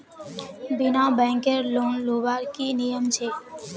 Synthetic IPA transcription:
binabɛ̃ŋkeɾlonlobaɾkinijəmt͡ɕʰe

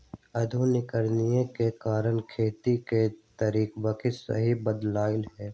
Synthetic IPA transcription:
ɐd̪ʱunɪkəɾnijekekaːɾənkʰeːt̪iket̪əɾiːkbəkʰɪsə̰ɦibəd̪laːɪlɦɛː

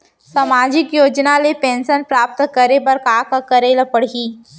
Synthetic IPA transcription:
samaːd͡ʒɪkjoːd͡ʒnalepẽːnʃənpɾaːp̚t̪kəɾebɐɾkaːkakɐɾeːlapəɽ̤iː

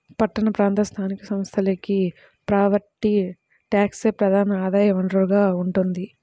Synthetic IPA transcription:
pɐʈːɐnɐpɾaːnt̪ɐst̪ʰaːnikɐsɐmst̪ʰɐlɐki | pɾaːʋɐɾʈːi | ʈaːkseːpɾɐd̪ʱaːnɐaːd̪aːjɐʋɐɳɖrɐɾuɡaːuɳʈund̪i

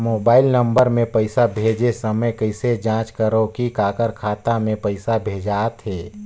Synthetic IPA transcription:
moːbaːɪlnə̃mbəɾmẽpəɪsabʱeːd͡ʒesəməjkəɪsed͡ʒãːt͡ʃkəɾokikaːkəɾkʰaːt̪amẽpəɪsabʱeːd͡ʒaːt̪ɦɛː

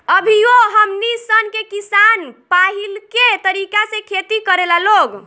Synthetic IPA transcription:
əbʱioɦəmnisənkekisanpaɦilket̪əɾikasẽkʰet̪ikəɾelaloɡ

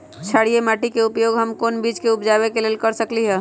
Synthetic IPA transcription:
t͡ʃʰaːɽijemaːʈikeʊpjoːɡɦəmkoːnbiːd͡ʒkeʊpd͡ʒaːwekeleːlkəɾsəkliɦɛː

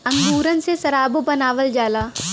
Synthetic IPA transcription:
ɐ̃ŋd̪uːɾənɪ̆sesɐɾaːbbɐnaːʋəld͡ʒaːlaː

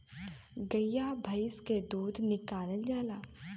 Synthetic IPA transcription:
ɡɐjabʱɐjsked̪uːd̪ʱnɪkaːləld͡ʒaːlaː

